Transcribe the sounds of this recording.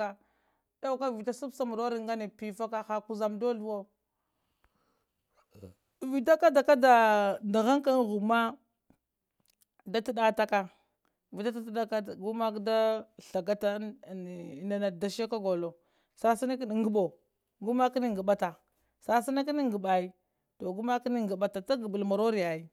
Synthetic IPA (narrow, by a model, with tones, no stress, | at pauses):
a˨ | da˦ka˦vi˨ta˦su˦bsa˨mu˨ɾo˦ɾi˨ŋɡa˦ni˨pi˨fa˦ka˦xa˨ku˦za˨mdo˦ɬu˦wo˦ | vi˨ta˦ka˦da˨ka˦da˨nda˨ɣa˦ŋka˦n˦ɣu˨ma˦ | da˦ti˦ɗa˦ta˦ka˨ | vi˨da˦ta˦tda˦ka˦˨ɡu˦ma˦kda˦ɬa˨ɡa˦ta˦˨ | na˨na˨da˨ʃa˦ka˦ɡo˨lo˨ | sa˦si˦na˦kn˨˦ŋ˦ɡu˦ɓo˨ | ɡu˦ma˦ki˦ni˦˨ɡə˨ɓa˦ta˨ | sa˦si˦na˦ki˦ni˦ŋ˨ɡə˨ɓa˨i˦ | to˨ɡu˦ma˦ki˦ni˦ŋɡə˨ɓa˦ta˨ta˦ɡə˨bu˨lma˨ɾo˦ɾi˨ja˨i˦